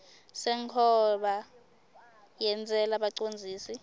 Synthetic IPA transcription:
sɛŋkʰɔɓa | jɛnt͡sʼɛlaɓaǀond͡zʱiːsi

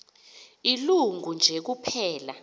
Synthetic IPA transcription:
iluŋʱund͡ʒʱek̬upʰɛːla

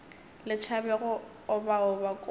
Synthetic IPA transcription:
lɪt͡ʃʰabɛɣɔ | ʊbaʊbakʼ

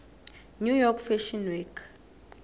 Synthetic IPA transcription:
nujɔkfɛʃinwikʰ

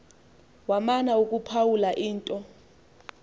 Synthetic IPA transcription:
wamanaukʼupʰawulaʔiːntʼɔ

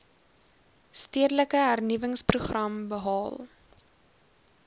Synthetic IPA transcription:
stiədələkəɦærnivəŋspruχrɐmbəɦɑːlˠ

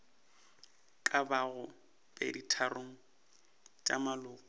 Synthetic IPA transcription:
kʼabaɣʊ | b̥ḛditʰaroŋ̩ | t͡ʃʼa̰malʊːkʼɔ

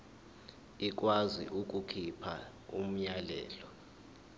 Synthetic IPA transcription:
ik̬ʼwazḭʔuk̬ʼukʰipʰa̰ | um̩ɲalɛ̰ːlɔ

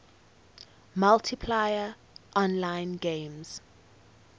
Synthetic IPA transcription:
maltʰipʰlajə | ʔɔ̃nlãɪ̃nɡẽɪmz̥

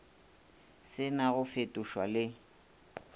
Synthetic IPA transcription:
sɪnaɣʊfetʼʊʃwalɪ

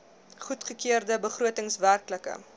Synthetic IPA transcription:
χutχəkiərdəbəχruətəŋsværkləkə̰

